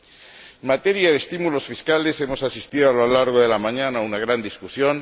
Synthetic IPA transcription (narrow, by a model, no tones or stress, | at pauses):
mat̪eɾjað̞est̪imulo̞sfiskalesemo̞sasist̪iðoaloalaɾɣ̞oðe̞lamãɲãnaunaɣ̞ɾand̪iskusjo̞n